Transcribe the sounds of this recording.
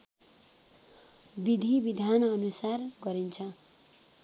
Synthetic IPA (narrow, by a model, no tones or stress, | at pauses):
bid̪ʱibid̪ʱanʌnusarɡʌɾint͡sʰʌ